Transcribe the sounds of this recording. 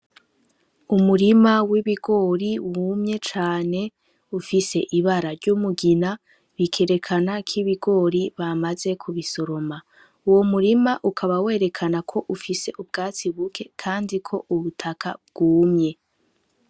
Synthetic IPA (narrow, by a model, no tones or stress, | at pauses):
umuɾimawiβiɡo̞ɾiwuːmɲe̞t͡ʃaːne̞ | ufise̞ʔiβaɾaɾɟumuɡina | βikʰe̞ɾe̞kʰanakʰiβiɡo̞ːɾiβamaze̞kʰuβisoɾo̞ma | uwomuɾimaʔukʰaβawe̞ːɾe̞kʰanakʰo̞ʔufise̞ʔub̚ɡaːt͡siβukʰe̞kʰaːndikʰo̞ʔuβutʰakʰa̰b̚ɡ̥uːmɲe̞